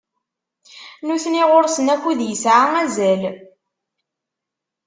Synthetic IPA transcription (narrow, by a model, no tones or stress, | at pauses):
nuθniʁoɾsənækʷːuðjəsʕaæzæl